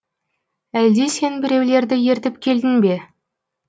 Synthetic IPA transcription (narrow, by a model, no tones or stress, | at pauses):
æld̪ese̞nbɪɾe̞wle̞ɾd̪ɪje̞ɾt̪ɪpkʲʰe̞ld̪ɪnbe̞